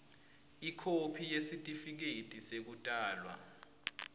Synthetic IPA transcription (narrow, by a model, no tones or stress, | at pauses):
ikʰopʰijesitʼifik̬etʼisek̬utʼaːlwa̰